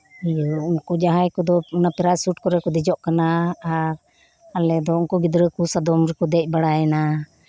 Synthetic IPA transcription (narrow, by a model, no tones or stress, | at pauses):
ijuunkɔd͡ʒaɦajkɔd̪ɔnapɛɾasuʈ̚kɔɾɛkɔd̪ɛd͡ʒɔʔkanaaɾ | alɛd̪ɔunkɔɡid̪ɾəkusad̪ɔmɾɛkɔd̪ɛc̚ˀbaɽajɛna